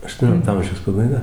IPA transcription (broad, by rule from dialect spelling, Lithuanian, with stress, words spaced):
ɐʃtuɔˈnʲoːlʲɪktoː ˈɐmʲʒʲɛʊs pɐbɐɪˈɡɐ